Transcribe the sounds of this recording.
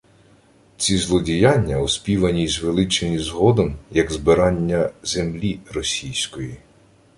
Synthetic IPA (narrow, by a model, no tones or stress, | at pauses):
t͡sʲizlˠɔdʲijɑnʲːɐɔspʲiʋɐnʲizʋelˠɪt͡ʃenʲizɦɔd̪ɔmjɐɡzbɪɾɑnʲːɐz̥emlʲirɔsʲijsʲkɔji